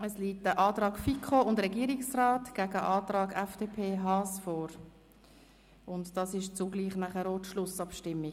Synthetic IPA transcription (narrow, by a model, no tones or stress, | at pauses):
əsliːtəʔɑːtɾɑːkfikʰχoʊndɾɛɡiːɾiksraːtɡ̥æɡəʔɑːtrɑːɡɛfd̥eːpʰeːɦɑːsfɔːɾ | ʊntd̥ɑsɪʃt͡suɡliːχnæχəɾoːtʃlʊsɑpʃtɪmːi